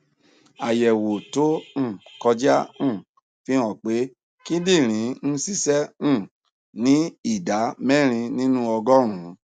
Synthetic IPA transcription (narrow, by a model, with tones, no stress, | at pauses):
a˨jɛ˨wo˨to˦ñ̩˦˨kɔ˧d͡ʒã˦˨ | fĩ˦ɔ̃˨k͡pe˨˦ | ki˦di˦˨ɾ̃ĩ˨˦n̩˦si˦sɛ̃˦˨ | nĩ˨˦i˦˨da˨˦mɛ˦˨ɾ̃ĩ˧nĩ˦nũ˦ɔ˧ɡɔ˦ɾ̃ũ˨˦